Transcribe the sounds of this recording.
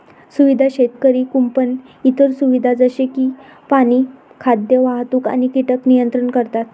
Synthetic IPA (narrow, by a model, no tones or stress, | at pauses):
suʋid̪ʱaɕet̪kəɾiːkumpən | it̪əɾsuʋid̪ʱad͡zəɕekiː | paɽ̃iː | kʰad̪jəʋaɦt̪uːka̰ñikiʈəknijənt̪ɾəɳkəɾt̪at̪